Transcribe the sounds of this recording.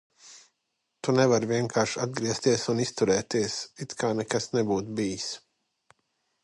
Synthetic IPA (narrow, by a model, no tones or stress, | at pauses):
t̪unɛvaɾviɛŋkʰaːɾʃad̪̚ɡɾiɛst̪iɛsunist̪uɾɛːt̪iɛsit̪kʰaːnɛkasnɛbuːt̪biːjs